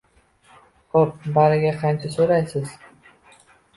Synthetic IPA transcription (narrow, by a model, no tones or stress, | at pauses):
kop̚baɾɪɡʲaqʰɑnt͡ʃʰasoɾajsɪz̥